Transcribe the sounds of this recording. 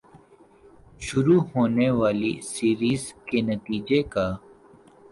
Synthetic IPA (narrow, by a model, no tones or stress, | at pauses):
ʃʊɾuːɦoːneʋaːlḭsiːɾiːzkenɐt̪iːd͡ʒekaː